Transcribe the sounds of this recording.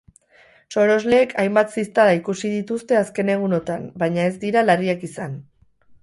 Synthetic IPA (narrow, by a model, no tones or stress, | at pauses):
so̞ɾo̞zle̞ːkʰajmbat̪sist̪alaikusið̞it̪ust̪e̞aske̞ne̞ɣ̞uno̞t̪ambajɲae̞zd̪iɾalariakisan